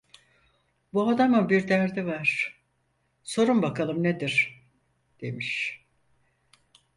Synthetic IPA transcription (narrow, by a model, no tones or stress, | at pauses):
buad̪amɯbiɾd̪æɾd̪ivaɾ̥ | so̞ɾumbakʰalˠɯmned̪iɾ̥ | d̪̥emiʃ